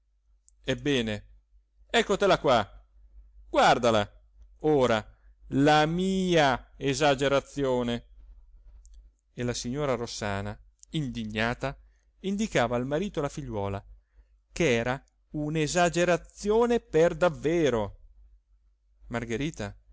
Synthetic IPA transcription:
ebːɛːne | ɛkːot̪elakwa | ɡ̥ward̪ala | oːɾa | lamiːaezad͡ʒeɾat̪sːjoːne | elasiɲːoːɾarosaːna | ind̪iɲːaːt̪a | ind̪ikaːvaːlmaɾiːt̪olafiʎːwɔːla | keɛːɾa | unezad͡ʒeɾat̪sjoːneperd̪avːeːɾo | marɡeɾiːt̪a

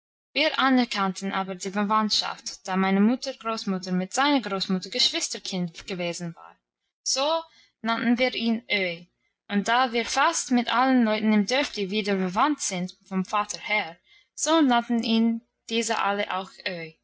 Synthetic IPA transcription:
viːɹʔanɛɹkʰantn̩ʔaːbəɹdiːfəvantʃa̰ftd̥aːmaɪnəmʊtəɡ̥ʁoːsmʊtəɹmɪtz̥aɪnəɡʁoːsmʊtəɹɡəʃv̥ɪstə˞kʰɪntɡ̥əveːzn̩va̰ːʁ | z̥oː | nantn̩viːiːnʔøʏ | ʔʊnt̚d̥aːviːɹfastmɪtalənlɔʏtn̩ɪmdʏɹfd̥iːviːdəbəvantz̥ɪntfɔmfaːtʰəɹhɛɹ | z̥oːnantn̩iːn | d̥iːzə̰ʔa̰lə̰ʔa̰ʊxʔøʏ

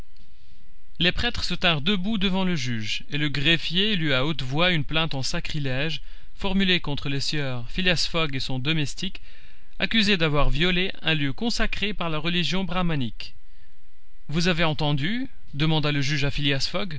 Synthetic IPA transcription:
lepχɛt̪χəsət̪ɛ̃ʁd̪əbud̪əvɑ̃ləʒyʒ | eləɡʁefjelyaot̪vwaynplɛ̃t̪ɑ̃sakχilɛʒ | fɔʁmylekɔ̃t̪χəlesjœʁfileasfɔɡesɔ̃d̪ɔmɛst̪ik | akʲyzed̪avwaʁvjɔle | ɛ̃ljøkɔ̃sakχepaʁlaʁəliʒjɔ̃bʁamanik | vuzaveɑ̃t̪ɑ̃d̪y | d̪əmɑ̃d̪aləʒyʒafileasfɔɡ

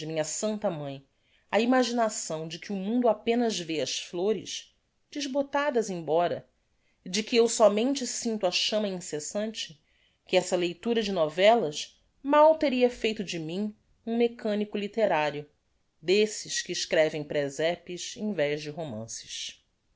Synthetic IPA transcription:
ɪmĩɲɐsɐ̃nt̪ɐmɐ̃j̃ | ɐimaʒinasɐ̃w̃d͡ʒɪkɪʊmũnd̪ʊapẽnɐzveɐsfloɾɪ̰ʃ | d͡ʒɪʒbot̪ad̪ɐzẽj̃bɔɾɐ | ɪd͡ʒɪkɪewsɔmẽnt͡ʃɪsĩnt̪ʊɐʃɐ̃mɐĩsesɐ̃nt͡ʃɪ | kɪɛsɐlejt̪uɾɐd͡ʒɪnɔvɛlɐʃ | mawt̪eɾiɐfejt̪ʊd͡ʒɪmĩ | ũmekɐ̃nikʊlit̪eɾaɾjʊ | d̪esɪʃkɪːʃkɾɛvẽj̃pɾɛzɛpɪʃẽj̃vɛʒd͡ʒɪɦomɐ̰̃sɪ̥ʃ

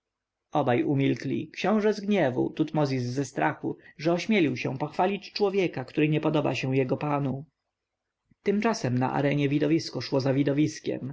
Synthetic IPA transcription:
ɔbajumʲilklʲḭkɕɔ̃w̃ʐɛzɡɲɛvṵt̪ut̪mɔzʲizːɛst̪ɾʔaxuʐɛɔɕmʲjɛlʲiwɕɛ̰̃pɔxfalʲit͡ɕt͡ʂwɔvʲjɛkakt̪uɾɘɲɛpɔd̪ɔba̰ɕɛ̃w̃jɛɡɔpanu | t̪ɘmt͡ʂasɛmna̰ʔa̰ɾɛɲɛvʲid̪ɔvʲiskɔʂwɔzavʲid̪ɔvʲiskʲɛ̰m

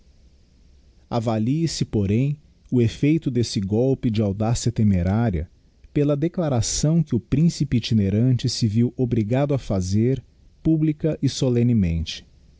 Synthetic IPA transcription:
avaliɪsɪpoɾẽj̃ | ʊefejt̪ʊd̪esɪɡɔwpɪd͡ʒɪawd̪asjɐt̪emeɾaɾiɐ̰ | pelɐd̪eklaɾasɐ̃w̃kɪʊpɾĩsipɪːt͡ʃineɾɐ̃nt͡ʃɪsɪviwobɾiɡad̪ʊɐfazeɾ | publikɐʔɪsolẽnɪmẽnt͡ʃɪ̥

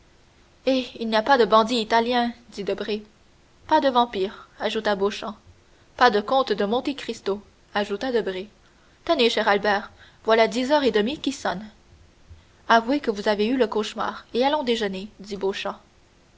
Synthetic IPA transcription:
eilnijapad̪əbɑ̃d̪iːt̪aljɛ̃d̪id̪əbʁe | pad̪əvɑ̃piːʁaʒut̪aboʃɑ̃ | pad̪əkɔ̃t̪d̪əmɔ̃t̪ekχist̪o | aʒut̪ad̪əbʁe | t̪əneʃɛʁalbɛːʁ | vwalad̪izœʁed̪əmikʲisɔn | avuekəvuzaveyləkoʃma̰ːʁealɔ̃d̪eʒəned̪iboʃɑ̃

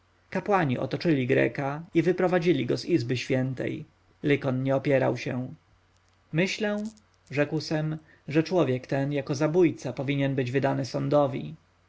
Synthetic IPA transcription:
kapwaɲiʔɔ̰t̪ɔt͡ʂɘlʲiɡɾɛ̰kaivɘpɾɔvad͡ʑilʲiɡɔzizbɘɕfʲjɛnt̪ɛ̰j | lɘkɔnɲɛɔpʲjɛɾa̰wɕɛ̃ | mɘɕlɛ̃ | ʐɛkwsɛm | ʐɛt͡ʂwɔvʲjɛkt̪ɛnjakɔzabujt̪sapɔvʲiɲɛnbɘd͡ʑvɘd̪anɘsɔnd̪ɔvʲḭ

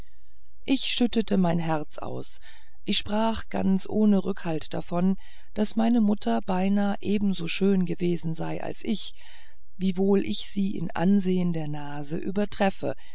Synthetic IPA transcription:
ʔɪçʃʏtətəmaɪnɦɛɐt͡sʔa̰ʊs | ʔɪçʃpʁ̥aːχɡ̥a̰nt͡sʔoːnəʁʏkhaltd̥afɔn | d̥asmaɪnəmʊtʰɐbaɪnaːʔeːbm̩zoːʃøːnɡəveːzn̩zaɪʔa̰lsʔɪç | viːvoːlʔɪçz̥iːʔɪ̰nʔa̰nzeːəndeːɐnaːzəʔyːbɐtʁ̥ɛfə̰

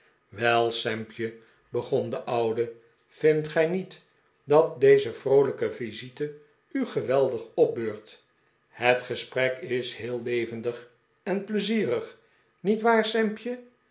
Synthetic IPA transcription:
ʋɛlˠsɛmpjə | bəχɔndəʔʌwdə | v̥ɪntχɛjnit | dɑt̚dejzəvrowləkəvizitə | yχəʋɛlˠdəχɔp̚bøːɹt | hətχəsprɛkɪshɪːlˠlejvəndəχ | ɛnpləziːrəχ | nitʋaːɹsɛmpjə

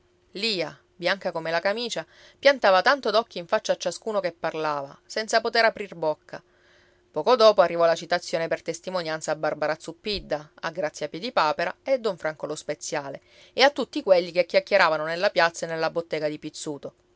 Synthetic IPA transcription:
liːa | bjaŋkakomelakamiːt͡ʃa | pjant̪aːvat̪ant̪od̪ɔkːoiɱfat͡ʃːaːt͡ʃːaskuːnokepːarlaːvasɛnt̪sapot̪eɾapɾirbokːa | pɔːkod̪ɔːpoarːivɔlat͡ʃit̪at̪sːjoːnepert̪est̪imonjansaːbːarbaɾat̪supːid̪ːaa̰ɡɾat̪sjapːjɛd̪ipaːpeɾaed̪ːɔɱfɾaŋkolospet̪sːjaːle | eat̪ːut̪ːikweʎːikekːjakjeɾaːvanonelːapjat̪sːaenːelːabot̪ːɛːɡad̪ipit̪sːuːt̪o

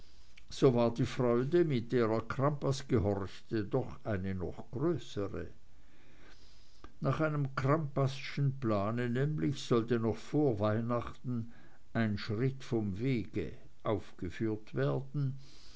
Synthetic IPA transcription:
z̥oːvaːɐdiːfʁ̥ɔʏdəmɪt̚d̥eːʁɐɐkʁ̥ampasɡ̥əɦɔʁçtədɔχaɪnənɔ̰χɡ̥ʁøːsəʁə̰ | naːχaɪnəmkʁ̥ampasʃn̩plaːnənɛːmlɪçz̥ɔltənɔχfoːɐvaɪnaχtn̩ | ʔaɪnʃʁɪtfɔmveːɡ̥ə̰ | ʔaʊfɡ̥əfyːɐtv̥eːɐdn̩

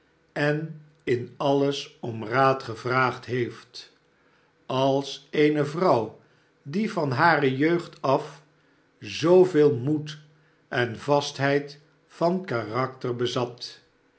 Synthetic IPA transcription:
ɛn | ɪnɑləsɔmraːtχəvraːχtɦejft | ɑlˠsejnəvrʌw | divɑnɦaːrəjøɥχtɑf | zowvɪːlˠmut | ʔɛnvɑstɦɛjt | fɑnkarɑk̚tərbəzɑt

